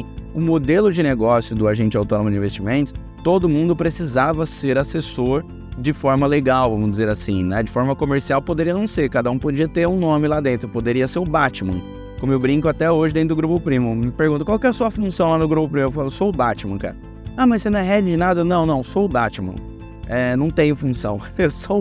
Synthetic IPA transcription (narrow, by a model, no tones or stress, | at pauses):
ʊmod̪elʊd͡ʒɪneɡɔsjʊd̪ʊaʒẽnt͡ʃɪawt̪õnõmʊd͡ʒĩvest͡ʃimẽnt̪ʊ̥ | t̪od̪ʊmũnd̪ʊpɾesizavɐseɾasesoɾ | d͡ʒɪfɔɾmɐleɡawvɐ̃mʊzd͡ʒɪzeɾasḭ̃nɛd͡ʒɪfɔɾmɐkomeɾsiawpod̪eɾiɐnɐ̃w̃seɾkad̪ɐũpod͡ʒiɐt̪eɾũnõmɪlad̪ẽnt̪ɾʊpod̪eɾiɐseɾʊbat͡ʃimɐ̰̃ | kõmʊewbɾĩkʊat̪ɛoʒɪd̪ẽt̪ɾʊd̪ʊɡɾupʊpɾĩmʊmɪpeɾɡũt̪ʊkwawkɪɛɛɐsuɐfũsɐ̃w̃lanʊɡɾupʊpɾĩmeɾʊfalsoʊbat͡ʃimɐ̰̃ka̰ɾɐ | amɐssenɐ̃ɛ̃ɦɛɾd͡ʒɪnad̪ɐnɐ̃w̃nɐ̃w̃sowʊbat͡ʃimɐ̰̃ | ɛnɐ̃w̃t̪ẽɲʊfũsɐ̃w̃ewso